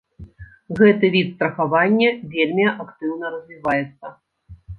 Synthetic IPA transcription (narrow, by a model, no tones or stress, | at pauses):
ɣɛt̪ɨvʲit̪st̪ɾɐxavanʲːɐvʲelʲmʲiʔakt̪ɨwn̪ɐɾɐzʲvʲivajɛt̪sːɐ